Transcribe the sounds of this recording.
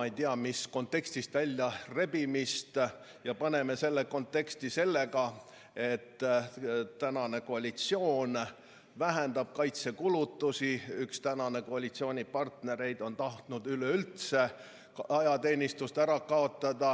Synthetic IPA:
ɑejt̪iɑmisko̞nt̪ːˑe̞kst̪ist̪vælʲːjɑre̞bimist̪ | jɑpɑne̞me̞se̞lːeko̞nt̪ˑːe̞kst̪ise̞lːe̞ɡɑ | e̞t̪ː | t̪ːænɑne̞ko̞ɑlʲit̪sio̞ːn | væɦend̪̥ɑb̥̚kɑjt̪se̞kulut̪ːusiykst̪ænɑne̞koɑlʲit̪sio̞ːnʲipɑrt̪ne̞ɾe̞jd̪o̞nt̪ɑht̪nud̪̥yløylt̪se̞ | ɑjɑt̪e̞ːnʲist̪ust̪æɾɑkɑo̞t̪ːˑɑd̪̥ɑ

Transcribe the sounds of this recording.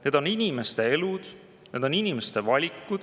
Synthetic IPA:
ne̞ːd̪̥o̞ninime̞st̪e̞e̞lud̪̥ | ne̞ːd̪̥o̞ninime̞st̪e̞vɑlʲikːˑud̪̥

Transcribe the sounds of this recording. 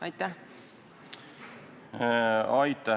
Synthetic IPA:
ɑjt̪ːæh | ɑjt̪ːˑɑ

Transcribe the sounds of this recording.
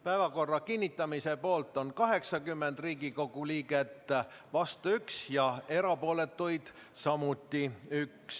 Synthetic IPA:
pæevɑko̞rːɑkinʲːit̪ːˑɑmise̞po̞ːlt̪ːˑo̞nkɑɦe̞ksɑkymːe̞nd̪̥riːɡiko̞ɡ̥uliːɡe̞t̪ːˑ | vɑst̪uyksjɑe̞ɾɑpo̞ːle̞t̪ːujd̪̥ | sɑmut̪ːˑiyks

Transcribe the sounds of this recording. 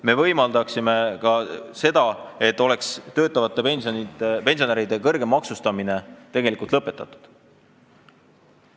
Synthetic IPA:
me̞vɤ̞jmɑld̪ɑksime̞kɑse̞d̪̥ɑe̞t̪ːˑo̞le̞kst̪ø̞ːt̪ːˑɑvɑt̪ːˑe̞pensonit̪epe̞nsioneɾid̪̥e̞kɤrɡ̥e̞mɑksust̪ɑmine̞t̪e̞ɡe̞likult̪lɤpːˑe̞t̪ːˑɑt̪ːˑu̥d̪̥

